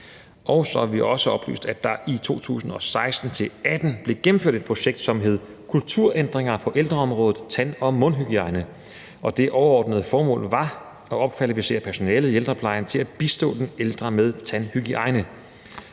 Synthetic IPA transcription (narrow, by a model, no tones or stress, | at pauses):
ʔɒʊsɒ̽æʋiʔɒ̽səɒ̽b̥ly̰ːsd̥æd̥ɑ̈ʔit͡sʰo̝̰ːt͡sʰṵːsn̩ɒ̽sɑ̈ɪsd̥n̩t͡sʰe̝læd̥n̩b̥le̝ɡ̥em̩fø̰ɐ̰d̥ed̥̚pʰʁo̝ɕeɡ̥d̥sɒ̽mɦe̝ð̞̰ˠ | kʰult͡sʰuɐ̰ʔend̥ʁeŋɐpʰɒ̽ʔeld̥ʁɐɒ̽mʁɔ̽ːðð̩ˠt͡sʰænɒ̽mɔ̽nɦyɡ̥iɑ̈ɪnə | ʔɒ̽d̥e̝ʔɒʊɐɒːd̥nəð̞ˠəfɒːmɔ̰̽ːlʋɑ̈ | ɒ̽ɒ̽b̥kʰʋælifise̝̰ːɐpʰæɐso̝nɛ̰ːləð̩ˠield̥ʁɐpʰlɑ̈ɪɐnt͡sʰe̝læb̥isd̥ɔ̰ːd̥eneld̥ʁɐmeð̞ˠt͡sʰænhyɡ̥iʔɑ̈ɪnə